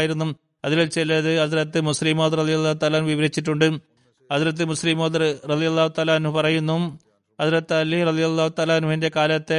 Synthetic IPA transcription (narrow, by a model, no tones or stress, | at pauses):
jiɾunːum | ɐðilolt͡ɕelːɐðɨɐðiɾɐt̪ːɨmuslimoːd̪rɐðijɐlˠːaːhut̪aːlaːnʋiʋɐɾit͡ɕːiʈːuɳɖɨ | ɐðiɾɐt̪̬ːɨmusliːmoːd̪rrɐðijɐlːaːhut̪aːlaɐnhupɐrɐjunːu | ɐðiɾɐt̪ːɨɐlːirɐðijɐlːaːhut̪aːlaɐnɦuɦinde̞kaːlɐt̪ːe̞